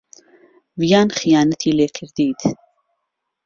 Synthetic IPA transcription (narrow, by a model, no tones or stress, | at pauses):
vijanχijanət̪ʰilɛkʰəɾd̪iːt̪ʰ